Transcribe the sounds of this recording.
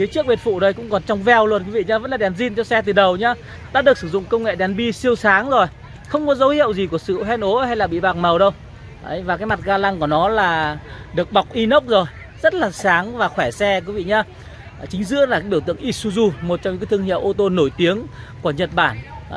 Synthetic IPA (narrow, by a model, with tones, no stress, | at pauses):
fi˨˦t͡ɕɨ˦˥ək̚ɓe˨˩t̚fṵ˧˨ɗə˨˧˩jkʊ̰˧˥ŋ͡mkɔ˨˩nt͡ɕɔ˧wŋ͡mvɛ˧˩wlwt̚ki˨˦vḭ˧˨ɲaː˧və̰˧˥nlaː˨˩ɗɛ˨˩nzi˧nt͡ɕɔ˧sɛ˧t̪ɨ˨˩ɗə˨˩wɲaː˧ | ɗa̰ː˧˥ɗək̚sɨ˧˩zʊ̰˧˨ŋ͡mkə˧wŋḛ˧˨ɗɛ˨˩nɓi˧si˧əwsaː˨˦ŋzo˨˩j | xə˧wŋ͡mkɔ˨˦zə˨˦whḭ˧˨əwzi˨˩ku˧˩əsɨ̰˧˨ɦɛ˧nʔo˨˦ha˧jlaː˨˩ɓḭ˧˨ɓaː˨˩k̚mə˨˩wɗə˧w | ʔə˨˧˦jvaː˨˩kaː˨˦jma˨˩t̚ɣaː˧la˧ŋku˧˩ənɔ˨˦laː˨˩ | ɗɨ˨˩ək̚ɓa˨˩k͡p̚ʔi˧nə˦˥wk͡p̚zo˨˩j | zə˦˥t̚laː˨˩saː˨˦ŋvaː˨˩xwɛ˧˩sɛ˧kwi˨˦vḭ˧˨ɲaː˧˨˩ | t͡ɕï˨˦ŋ̟zɨ̰˧˥əla˨˩kaː˨˦jɓi˧˩t̪ɨ̰˧˨əŋʔi˦˥su˧zu˧mo˨˩t̚t͡ɕɔ˧ŋ͡mɲɨ̰˧kːt̪ʰəŋhḭ˧˨wʔo˧t̪o˧no˧˩jt̪i˨˦əŋku˧˩əɲə˨˩t̚ɓaː˧˩n˨˧